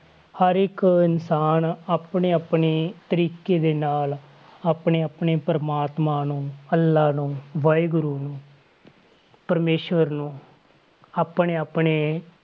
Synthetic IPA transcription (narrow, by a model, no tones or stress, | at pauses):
həɾɪkɪnsaːnaːpɳeːaːpɳeːt̪əɾiːkeːd̪eːnaːl | aːpɳeːaːpɳeːpəɾmaːt̪maːnũːəlːaːnũːʋaːeɡʊɾuːnũː | pəɾmeːʃʋəɾnũː | aːpneːaːpɳeː